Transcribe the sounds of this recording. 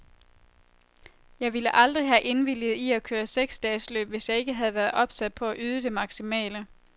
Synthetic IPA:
jɑ̈ɪʋiləʔɑ̈ld̥ʁiɦæʔe̝nʋil̰ið̞̩ˠiækʰøːɐseɡ̥sd̥ɛslø̰ːb̥ʋe̝sjɑ̈ɪe̝ɡ̥əɦæð̞̩ˠʋæːɐð̞̩ˠʔɒ̽b̥sæd̥̚pʰɒ̽æʔyːð̞ˠəd̥e̝mɑ̈ɡ̥simɛ̰ːlə

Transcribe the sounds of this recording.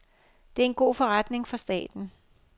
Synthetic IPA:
d̥e̝æɐe̝nɡ̥o̝̰ːfɒ̽ʁad̥ne̝ŋfɑ̈sd̥ɛ̰ːd̥n̩

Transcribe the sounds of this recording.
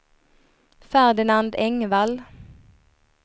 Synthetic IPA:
fæʁd̪ɪnɑnd̪ɛŋʋɑl

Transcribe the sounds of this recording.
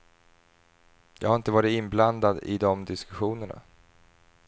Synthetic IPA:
jɑ̰ːɡhaɾɪnt̪əvɑːɾɪt̪ɪnbland̪ad̪ɪ̰d̪ɔmd̪ɪskɵɧuːnəɳa̰

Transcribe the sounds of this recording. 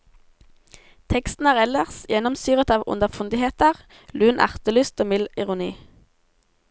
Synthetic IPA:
t̪ʰɛkst̪n̩æːʁɛləʁsjɛnɔmsyːʁət̪ɑːʋʊ̰nəfʊnd̪ɪheːt̪əʁ | lʉːnʔæ̰ʁt̪əlyːst̪oːmɪlɪʁʊnḭː

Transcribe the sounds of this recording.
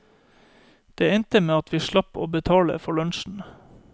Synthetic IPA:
d̪̥eːɛnt̪əmeːɑt̪ʋiːʃɭɑpoːbət̪ʰɑːlə̰fɔɭœnʃn̩

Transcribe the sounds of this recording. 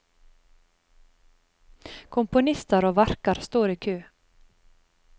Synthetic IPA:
kʰʊmpʊnɪst̪əɾoːʋæɾkəɾst̪oːɾiːkʰʉː

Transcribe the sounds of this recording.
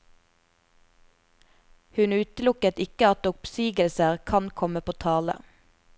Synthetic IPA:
hʉnʉːt̪əlʊkət̪ɪkəɑt̪ʊpsyːɡəlsəʁkʰɑnkʰɔməpʰoːt̪ʰɑːlə̰

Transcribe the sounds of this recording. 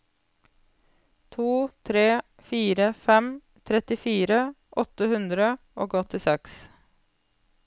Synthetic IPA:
t̪ʰuːt̪ʰɾeː | fiːɾəfɛm | t̪ʰɾɛt̪ɪfiːɾə | ʔɔt̪əhʉnd̪ɾə | ʔoːɡɔt̪ɪsɛks

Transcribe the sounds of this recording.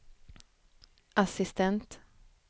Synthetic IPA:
ʔasɪst̪ʰɛnt̪

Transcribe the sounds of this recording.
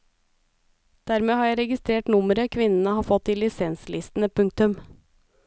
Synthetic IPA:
d̪̥æːɾmeːhɑːɾjæɪɾɛɡɪst̪ɾeːʈnʊməɾəkʰʋɪnən̩əhɑːfɔt̪ːɪlɪsɛnslʔɪst̪n̩əpʰʉŋk̚t̪ʉm

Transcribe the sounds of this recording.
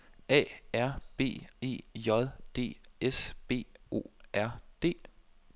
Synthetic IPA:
ɛ̰ːæɐ̰b̥e̝̰ːe̝̰ːjɒ̽ðˠd̥e̝̰ːesb̥e̝̰ːo̝̰ːʔæɐ̰d̥e̝̰ː

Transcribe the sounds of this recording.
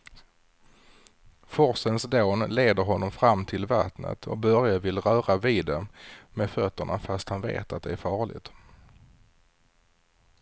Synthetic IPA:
fɔɾsənsd̪oːnleːd̪əɾɦɔnːɔmfɾamːt̪ʰɪlvat̪nə̰t̪ʰɔ̰k̚bœɾjavɪlɾœːɾaviːd̪ɛmɛd̪fœt̪ːəɳa̰fast̪hanvḛːt̪at̪̚d̪ɛæɾfɑːɭɪ̰ɡt̪

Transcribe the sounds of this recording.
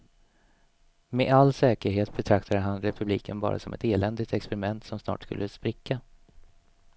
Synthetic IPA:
meʔalːsɛːkəɾɦeːt̪̚bɛt̪ʰɾak̚t̪ʰad̪əɦanɾɛpʰɵbliːkʰənbɑ̰ːɾa̰sɔmɛt̪eːlɛnd̪ɪt̪ɛkspɛɾɪmɛnt̪sɔmsnɑ̰ːʈskɵ̰lːəspɾɪkʰːa

